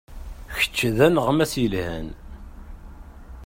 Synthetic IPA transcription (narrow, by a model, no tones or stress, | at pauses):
çə̥t͡ʃːðænʁmæsjəlhæ̰n